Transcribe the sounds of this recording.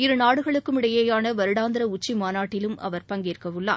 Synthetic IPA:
ɪɾɯnaːɽɯɣɐɭɯkːɯmɪɽɐjeːjaːnɐʋɐɾɯɽaːnd̪ɪɾɐʊt͡ʃːimaːnaːʈːɪlɯmʔɐ̰ʋɐɾpɐŋɡɪɾkɐʋɯɭːa̰ː

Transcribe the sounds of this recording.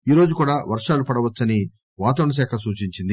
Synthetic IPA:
iːɾo̞ːd͡ʒukuːɽaːʋɐɾʂaːlupɐɽɐʋɐt͡ʃːɐni | ʋaːt̪ɐʋɐɳɐs̬ɛːkʰɐsuːt͡ʃiɲt͡ʃind̪i

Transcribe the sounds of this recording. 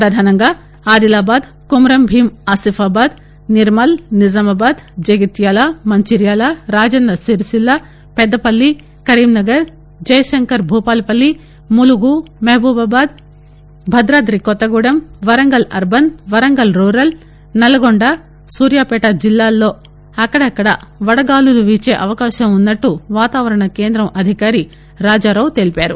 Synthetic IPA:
pɾɐd̪ʱaːnɐŋɡa | aːd̪ilaːbaːd̪ | kumɾɐmbʱiːmaːsifaːbaːd̪ | niɾmɐlnizɐmɐbaːd̪d͡ʒɐɡit̪jaːlamɐɲt͡ʃiɾjaːlaɾaːd͡ʒɐnd̪ɐsiɾsilːa | pɛd̪ːɐpɐlːi | kɐɾiːmnɐɡɐɾ | d͡ʒɐjɐʃɐŋkɐɾbʱuːpaːlpɐlːi | muluɡumɐɦɐbuːbaːbaːd̪ | bʱɐd̪ɾaːd̪ɾikɔt̪ːɐɡuɽɐmʋɐɾɐŋɡɐlɐɾbɐnʋɐɾɐŋɡɐlɾuːɾɐl | nɐlɐɡoɳɖa | suːɾjaːpɛːʈɐd͡ʒilːaːlːo̞ː | ɐkːɐɽɐɐkːɐɽɐ̰ʋɐɽɐɡaːluluʋiːt͡ʃeːʔɐʋɐkaːʃɐmunːɐʈːuʋaːt̪aːʋɐɾɐɳɐke̞ːnd̪ɾɐmʔɐd̪ʱikaːɾi | ɾaːd͡ʒaːɾɐwt̪elipaːɾṵ

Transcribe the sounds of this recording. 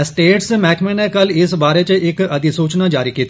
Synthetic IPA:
sʈeːʈsmɛːkʰmẽnekɐlɪsbaːɾet͡ʃeʔɪkɐd̪isuːt͡ʃnad͡ʒaːɾikiːt̪ʰː

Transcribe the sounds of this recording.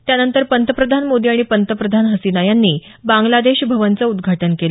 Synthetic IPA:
t̪janənt̪əɾpənt̪əpɾəd̪ʱanmod̪iaɽ̃ipənt̪əpɾəd̪ʱanɦəsinajanːiː | baŋɡlad̪eɕbʱəʋənt͡səud̪ɡʱaʈənkel

